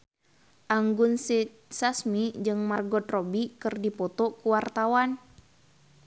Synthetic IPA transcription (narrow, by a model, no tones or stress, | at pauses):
ʔaŋɡunsi | sasmid͡ʒɨŋmarɡɔt̪rɔbikɨrdipɔt̪ɔkuwart̪awan